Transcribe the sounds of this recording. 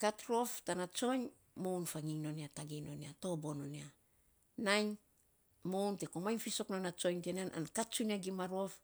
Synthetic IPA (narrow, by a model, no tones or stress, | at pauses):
katɾo̞ftanat͡ʃo̞ɲ | mo̞wnfaŋiŋno̞niataɡino̞niato̞bo̞no̞nia | najɲ | mo̞wnte̞komajnfiso̞knonat͡ʃo̞jɲtenanʔa̰nkat͡ʃuniaɡimaɾo̞f